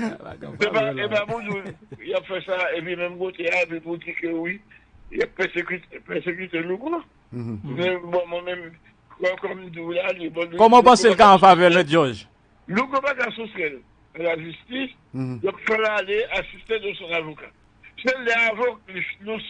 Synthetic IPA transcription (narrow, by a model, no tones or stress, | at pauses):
sɛpaebabũd̪ujapfɛsaepĩmɛ̃mkot̪eavipudikøwijap̚pɛsekyt̪epɛsekyt̪elukɔ̃ | mɛbɔ̃mwɛ̃mɛ̃m | kɛkɔm̩d̪ulalebɔ̃lukɔmɔ̃pãselkaãfavɛlmɛd̪oʒ | lukɔ̃pakasosjɛl | alaʒyst̪is | japfɛlaleasist̪ed̪osɔ̃navoka | selːɛavɔkllos